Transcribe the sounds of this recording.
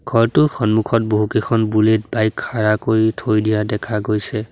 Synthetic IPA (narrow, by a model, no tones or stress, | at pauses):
ɡʱɔɹtʊxɔnmukʰɔt̚boɦukekʰɔnbulet̚bajkʰːaɹakoɹitʰojdijadɛkʰaɡojsɛ